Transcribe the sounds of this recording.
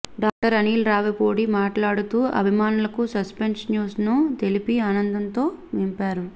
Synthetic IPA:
ɖaːk̚ʈɐɾɐniːlɾaːʋɐpoːɽimaːʈlaːɽut̪uːɐ̰bʱimaːnulɐkusɐspe̞nsnjuːsnut̪elipiaːnɐnd̪ɐnt̪o̞ː | ʋimpaːɾu

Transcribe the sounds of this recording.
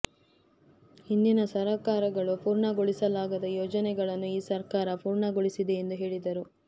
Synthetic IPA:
hind̪inɐsɐɾɐkaːɾɐɡɐɭupuːɾɳɐɡɔɭisɐlaːɡɐd̪ɐjoːd͡ʒɐnɛɡɐɭɐnːuiːsɐɾkaːɾɐpuːɾɳɐɡoɭisid̪eːnd̪uɦe̞ːɭid̪ɐɾu

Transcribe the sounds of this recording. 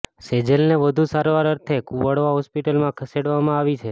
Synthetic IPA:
sed͡ʒelneʋəd̪ʱusaɾʋaɾəɾt̪ʰekuʋəɽʋaɦɔspiʈəlmãkʰəseɽʋamãaʋit͡ʃʰe

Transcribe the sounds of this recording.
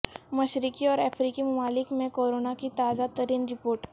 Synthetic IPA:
mɐʃɾɪkiɔːɾɛːfʰɾiːkimʊmaːlɪkmẽkoːɾoːnakit̪aːzat̪ɐɾiːnɾɪpoːɾʈ

